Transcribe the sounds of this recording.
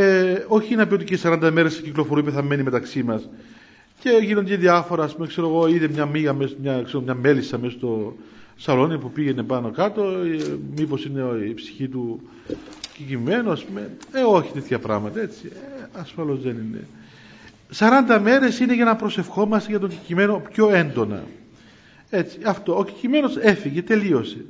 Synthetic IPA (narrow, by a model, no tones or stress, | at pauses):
eo̞çiineɐpiot̪icesːɐɾɐnd̪ɐme̞ɾesːeciklo̞foɾuipeθɐme̞nime̞t̪ɐksimɐs | ce̞ʝino̞nd̪eðiɐfo̞ɾɐːspumekse̞ɾoɣo̞iðemɲɐmiɣɐmesmɲɐkseɾomɲɐme̞lisɐmesost̪o̞sɐlo̞nipupiʝe̞ne̞pɐno̞kɐt̪o̞mipo̞sine̞ipsi̥çit̪u | cicimːe̞noɐspumeeoçi̥t̪e̞t̪çɐpɾɐɣmɐt̪ɐe̞t͡siɐsfɐlo̞zðe̞ninḛ | sɐɾɐnd̪ɐme̞ɾe̞sine̞ʝɐnɐpɾo̞se̞fxo̞mɐst̪eʝɐt̪o̞ɲɟicime̞no̞pço̞e̞nd̪o̞nɐ̰ | e̞t͡siɐft̪o̞oci̥cime̞no̞se̞fiʝe̞t̪e̞lio̞se